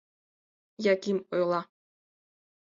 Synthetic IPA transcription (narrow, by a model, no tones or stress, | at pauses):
jɑkʲimojlˠɑ